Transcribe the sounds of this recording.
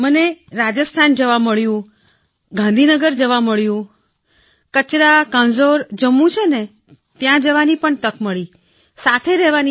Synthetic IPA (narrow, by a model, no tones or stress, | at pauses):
məneɾad͡ʒəst̪ʰand͡ʒəʋaməɭjũ | ɡãnd̪ʱinəɡəɾd͡ʒəʋaməɭjũ | kət͡ʃɾakãnd͡ʒoɾd͡ʒəmũt͡ʃʰene | t̪jãd͡ʒəʋanipəɳt̪əkməɭi | sat̪ʰeɾɛɦʋani